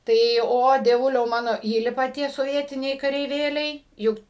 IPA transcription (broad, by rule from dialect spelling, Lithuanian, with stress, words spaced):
tɐɪ ˈoː dʲiɛˈʋʊlʲɛʊ ˈmɑːnoː ˈiːlʲɪpɐ ˈtʲiɛ soːˈʋʲiɛtʲɪnʲɛɪ kɐrʲɛɪˈʋʲeːlʲɛɪ ˈjʊk